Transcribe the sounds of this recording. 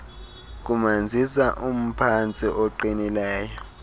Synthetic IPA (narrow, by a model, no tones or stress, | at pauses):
k̬ʼumand͡zʱisaʔum̩pʰant͡sʼiʔɔǃinilɛːjɔ